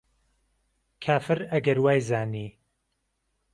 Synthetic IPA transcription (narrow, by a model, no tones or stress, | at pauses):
kʰaːfɨɾɐɡɐɾwaːjzaːniː